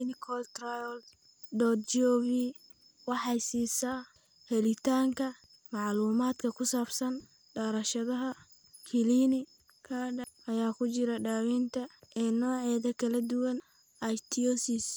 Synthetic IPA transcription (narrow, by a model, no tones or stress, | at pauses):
nɪkʰɔlt̪rajɔl | d̪ɔːt̪̚t͡ʃɔβi | wɑħɑjsiːsaː | hɛlɪt̪ʰaːŋkʰɐ | mɑʕluːmaːd̪kʰɐkʰʊsaːbsɐn | ɖaːɾɐʃɐðɐɦɐ | kʰɪlinɪ | kʰaːɖʔɐjaːkʰʊt͡ʃɪɾɐɖaːwiːnt̪ʰɐʔɛːnɔːʕɛːðɐkʰɐlɐd̪ʊwɐn | ʔɐjt̪ʰiɔsɪs